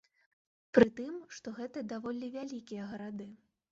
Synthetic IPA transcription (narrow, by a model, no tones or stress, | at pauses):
pɾɨt̪ɨmʂt̪ɔɣɛt̪ɐd̪avɔlʲivʲalʲikʲijɐɣɐɾad̪ɨ